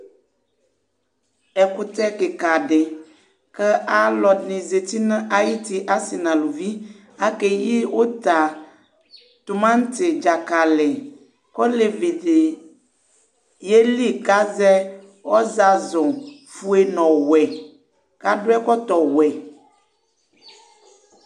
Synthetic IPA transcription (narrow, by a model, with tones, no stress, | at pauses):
ɛ˨ku˦t̪ɛ˦ke˨ka˨ɖe˨ | kɛ˦ʔa˦lɔ˨dnĩ˨ze˨t̪i˦nə̃˦ʔa˦ji˦t̪i˦ʔa˦si˨nã˨lu˨vi˦ | a˦ke˦ji˦wo˦t̪a˨ | t̪u˨mã˦ŋ˦t̪e˨d͡ʒa˨ka˨lɛ˨ | kɔ˦le˨vi˨de˨ | je˦li˦ka˦zɛ˦ | wɔ˦za˨zɔ̃˨ | fu˦e˦nɔ̃˨wɛ˨ | ka˦ɖo˦ɛ˦kɔ˦t̪ɔ˨wɛ˨